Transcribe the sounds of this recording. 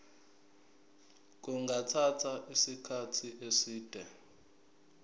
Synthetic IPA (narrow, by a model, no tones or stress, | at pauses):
k̬uŋɡʱatʰatʰaʔisikʰatʰiʔesiːd̥ʱɛ